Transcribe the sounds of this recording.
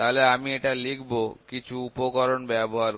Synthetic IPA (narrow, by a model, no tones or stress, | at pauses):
t̪aɦoleamieʈalikʰbokit͡ɕʰuupokɔɾonbɛboɦaɾ